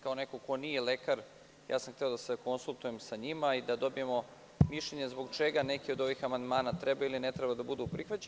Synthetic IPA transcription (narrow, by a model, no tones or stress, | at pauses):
kaone̞koko̞nije̞lekaɾ | ja̰ːsamxt̪eo̞d̪aseko̞nsulˠt̪uje̞msaɲimaid̪ad̪o̞bije̞mo̞ | miʃʎeɲe̞zbo̞ɡt͡ʃeɡane̞kio̞d̪o̞ʋiːxamand̪maːnat̪ɾebailinet̪ɾebad̪abud̪upɾixʋat͡ɕe